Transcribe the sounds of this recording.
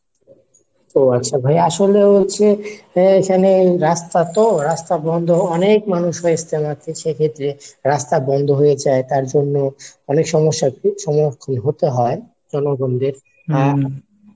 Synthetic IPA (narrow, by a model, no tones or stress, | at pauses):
oatːɕʰabʱajaʃolebolt͡ɕʰeekʰaneɾast̪at̪oɾast̪abɔnd̪ʱoɔnek̚manuʃɦojest̪ʰemat̪ʰiʃekʰet̪ːɾeɾast̪abɔnd̪ʱoɦojed͡ʑaet̪aɾd͡ʑonːoɔnekʃɔmoʃːaʃɔmoɾkʰːonɦot̪eɦɔe | d͡ʑɔnoɡond̪eɾ